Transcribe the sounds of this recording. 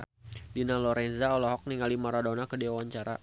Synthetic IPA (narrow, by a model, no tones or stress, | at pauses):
dinalɔɾɛnzaɔlɔɦɔk̚niŋalimaɾadɔnakədiawaɲt͡ʃaɾa̰